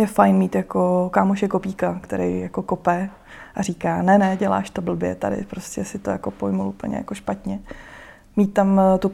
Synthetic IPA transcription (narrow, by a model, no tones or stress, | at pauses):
jɛfajnmiːt̪jako̞kaːmoʃɛko̞piːkakt̪ɛɾɛ̰jjako̞kopɛ | ʔaɾiːkaːnɛnɛɟɛla̰ːʃt̪o̞bl̩bjɛ̰t̪a̰dɪ̰pɾo̞scɛsɪt̪ojakopojmulʔupl̩ɲɛ̰ja̰koʃpat̪ɲɛ | miːt̪ːamt̪u